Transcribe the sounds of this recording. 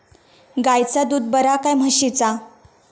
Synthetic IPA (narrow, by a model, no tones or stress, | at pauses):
ɡajt͡sad̪uːd̪̚bəɾakajm̤əɕit͡sa